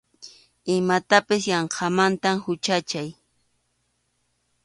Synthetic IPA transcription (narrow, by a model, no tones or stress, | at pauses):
ɪmat̪apɪsjɑɴqʰɑmant̪amhʊt͡ʃat͡ʃaj